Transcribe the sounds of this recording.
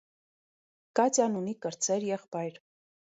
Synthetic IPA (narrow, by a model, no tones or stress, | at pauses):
kɑt͡sɑnunikəɾt͡sʰɛɾjɛχpɑjɾ